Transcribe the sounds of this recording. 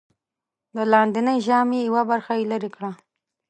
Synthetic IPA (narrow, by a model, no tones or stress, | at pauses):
d̪əlɑnd̪inəjʒɑmejawabaɾxajelaɾikɽa